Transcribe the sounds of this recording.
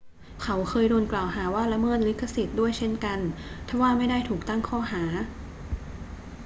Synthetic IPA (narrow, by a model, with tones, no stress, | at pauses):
kʰa˦˥wkʰɤː˧jdo˧nklaː˨˩wɦaː˩˦waː˥˩la˦˥mɤː˥˩nli˦˥kʰːa˧˥si˨˩t̪̚du˥˩əjt͡ɕʰe˥˩nka˧nt̪ʰa˧˥˩waː˥˩ma˥˩jdaː˥˩jt̪ʰuː˨˩k̚t̪a˥˩ŋkʰɔː˥˩ɦaː˩˦